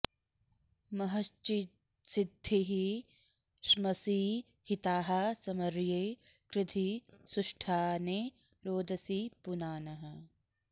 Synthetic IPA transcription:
mɐɦɐst͡ʃit̪ | sɪd̪ʱːiɦi | ʃmɐsiː | hɪt̪aːɦɐsɐmɐɾjeːkɾɪt̪ʰisʊʃʈʰaːneː | ɾoːd̪ʱɐsipʊnaːnɐɦɐ

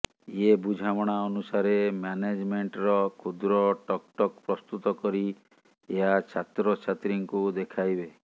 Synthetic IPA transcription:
jebud͡ʒʱamɔɽ̃aɔnusaɾemaned͡ʒmeɳʈɾɔkʰud̪ɾɔʈɔkʈɔk̚pɾɔst̪ut̪ɔkɔɾi | eɦat͡ʃʰat̪ɾɔt͡ʃʰat̪ɾiŋkud̪ekʰajbe

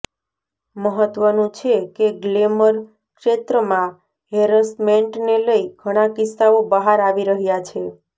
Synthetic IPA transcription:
məɦət̪ʋənũt͡ʃʰekeɡleməɾ | kʃet̪ɾəmã | ɦeɾəsmeɳʈneləiɡʱəɽ̃akɪsːaobəɦaɾaʋiɾəɦjat͡ʃʰe

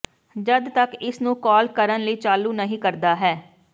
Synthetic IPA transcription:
d͡ʒəd̪t̪əkɪsnũːkɔːlkəɾənləiːt͡ʃaːluːnəɦĩːkəɾd̪aːɦɛː

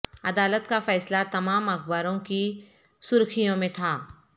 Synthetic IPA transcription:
ɐd̪aːlət̪kafɛːslat̪ɐmaːmɐxbaːɾõki | sʊɾkʰijõmẽt̪ʰaː

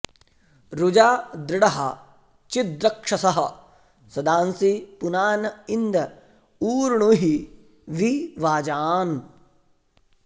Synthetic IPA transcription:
ɾud͡ʒaːd̪ɾɪɽɐɦɐ̰ | t͡ʃid̪ɾɐkʂɐsɐɦɐ̆ | sɐd̪aːnsipunaːnɐind̪ɐ | uːɾɳuɦi | ʋiʋaːd͡ʒaːn

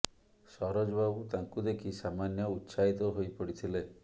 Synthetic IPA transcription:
sɔɾɔd͡ʒɔbabut̪aŋkud̪ekʰisamanjɔut̪ːsaɦit̪ɔɦojpɔɽit̪ʰile

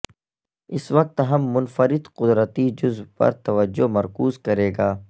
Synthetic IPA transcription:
ɪsʋɐq̚t̪ɦɐmːʊnfəɾɪd̪qʊd̪ɾət̪id͡ʒʊzbpɐ̰ɾt̪ɐʋəd͡ʒːomɐɾkuːzkɐɾeːɡaː

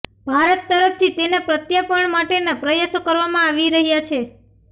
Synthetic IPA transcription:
bʱaɾət̪ːəɾəpt̪ʰit̪enapɾət̪japəɳmaʈenepɾəjasokəɾʋamãaʋiɾəɦjat͡ʃʰe

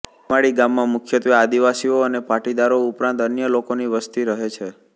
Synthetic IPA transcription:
aɽiɡamːãmʊkʰjət̪ʋiad̪iʋasioənepaʈid̪aɾoupɾãnt̪ənjəlokoniʋəst̪iɾəɦet͡ʃʰe

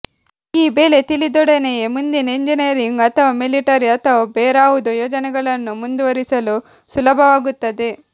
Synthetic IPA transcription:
iːbeːlet̪ilid̪ɔɽenemund̪ineɲd͡ʒiniɾiŋɡɐt̪ɐʋmiliʈɐɾiɐt̪ɐʋɐbɛːɾaːwud̪ujɔːd͡ʒɐnɐɡɐlɐnːumund̪uʋɐɾisɐlu | sulɐbʱɐʋaːɡut̪ːɐd̪e

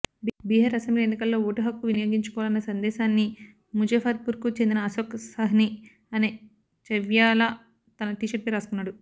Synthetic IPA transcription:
bbiːɦɐɾɐsemblienːikɐlːo̞ːoːʈuɦɐkːuʋinijoːɡiɲt͡ʃu̥kɔʋalɐnːɐsɐnd̪ɛːʃaːnːi | mud͡ʒɐːfʰaːɾ̚puːɾkut͡ʃend̪inɐɐsoːksɐɦni | ɐne | t͡ʃɐʋjaːlɐ | t̪ɐnɐʈiʃɐɾpiɾaːsk̪unːaːɽu

